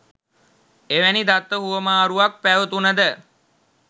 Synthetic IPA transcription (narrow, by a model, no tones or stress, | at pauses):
eʋænid̪at̪ːəɦuʋəmaːɾuʋak̚pæʋət̪unəd̪ə